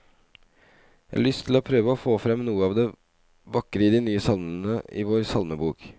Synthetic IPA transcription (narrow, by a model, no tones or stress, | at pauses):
jæ̰hɑɭʏst̪ʰɪlhɑːpʰɾøːʋəoːfoːfɾɛmnuːəɑːʋd̪ɛ | ʋɑkːəɾəɪd̪ɪnyːəsɑlmn̩əɪ̰ʋoːɾsɑlməbuːk